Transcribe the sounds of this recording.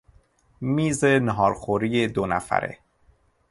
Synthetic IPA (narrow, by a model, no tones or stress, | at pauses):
miːzeneɦɒːɾxoɾiːjed̪onæ̰fæ̰ɾḛ